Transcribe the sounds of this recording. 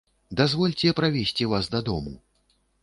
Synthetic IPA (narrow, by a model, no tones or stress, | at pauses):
d̪azvɔlʲt͡sʲɛpɾavʲesʲt͡sʲivasd̪ɐd̪ɔmṵ